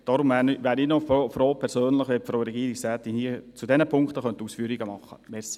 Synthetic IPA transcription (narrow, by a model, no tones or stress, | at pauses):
d̥ɑɾʊmʋæːnʋæːɾinɔfofɾoːpʰɛɾsøːnləχʋɛpfɾoːɾɛɡiːɾiksɛːt̪iniːt͡sudɛnəpʰʊŋkt̪əχœntuːsfyːɾiɡəmɑχːə̰mɛɾsi̥